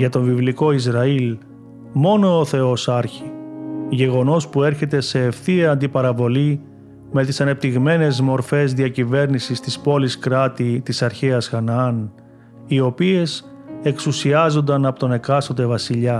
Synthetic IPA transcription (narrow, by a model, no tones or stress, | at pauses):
ʝɐt̪o̞ɱvivliko̞izɾɐil | mo̞no̞ːθe̞o̞sɐɾçiʝe̞ɣo̞no̞spue̞ɾçe̞t̪e̞se̞ːfθiɐɐnd̪ipɐɾɐvo̞li | me̞t̪isɐne̞p̚t̪iɣme̞ne̞zmo̞ɾfe̞zðiɐcive̞ɾnisist̪ispo̞liskɾɐt̪it̪isɐɾçeɐsxɐnɐɐn | io̞pie̞s | e̞ksusiɐzo̞nd̪ɐnɐpot̪o̞ne̞kɐst̪od̪e̞vɐsiʎɐ